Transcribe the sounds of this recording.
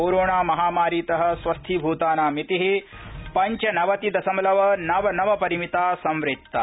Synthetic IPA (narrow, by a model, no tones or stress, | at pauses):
oːɾoːɳaːmɐɦaːmaːɾiːt̪ɐɦɐ̆sʋɐst̪ʰibʱuːt̪aːnaːmit̪iɦi | pɐɲt͡ʃɐnɐʋɐt̪id̪ɐsɐmɐlɐʋɐnɐʋɐnɐʋɐpɐɾimit̪aːsɐmʋɾɪtt̪ːɐ̰